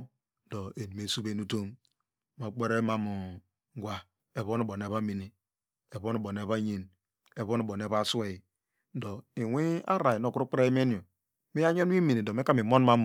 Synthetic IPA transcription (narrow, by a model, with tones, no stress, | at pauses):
do˨e˨di˨m˨e˨su˦be˦nu˦to˦m | ma˨k͡pe˦ɾe˦ma˦mu˨˦ | ɡʷa˦ | e˨βo˦n˨bo˨ne˨βa˦mi˨ni˨ | e˨βo˦n˨bo˨ne˨βa˦ɲi˦n | e˨βo˦n˨bo˨n˨e˨βa˦su˦e˨i˨˦ | do˨i˨wʷe˦a̰˦ɾa˨i˨no˨ku˦ɾu˦k͡pɾa˦e˦m˦e˦ni˨o˨ | mi˦a˦ɲo˦n˦i˦mi˨ni˨do˨me˦ka˦mi˨mo˦n˦ma˦m˨